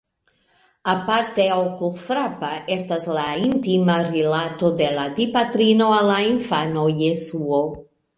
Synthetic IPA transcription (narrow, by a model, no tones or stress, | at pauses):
apaɾt̪eowkulfɾapaɛst̪azlaint̪imarelat̪od̪elad̪ipat̪ɾinoalaiɱfanojesuo